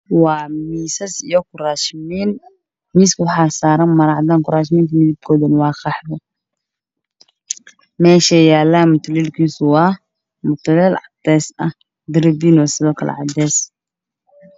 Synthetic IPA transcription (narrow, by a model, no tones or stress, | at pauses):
wɑːmiːsɐsijɔkʰʊraːʃmiːn | miːskʊwħaːsaːɾɐnmɐɾaʕd̪aːŋkʊraːʃmiːnk̪ʰɐmɪdib̚kʰɔːðɛnwɑːxɑħdɔ | mɛːʃɛjaːlːaːmʊt̪ʰlɛːlkʰiːsʊwɑː | mʊt̪lɛlʕad̪ɛːsʔɐ | d̪ɪɾɪbiːnwasɪðɔːkʰɐ̰l̰ʕɑ̰d̪ɛːs